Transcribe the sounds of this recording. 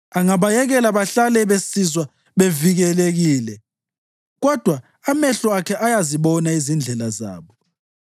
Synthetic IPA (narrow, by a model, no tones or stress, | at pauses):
aŋaβajɛɣɛlaβaɬalɛβesizwa | βeviɣɛleɣiːlɛ | ɣɔd̥ʱwa | amɛɬɔakʰɛʔajaziβɔnaizind͡ɮʱɛlaza̰ːβɔ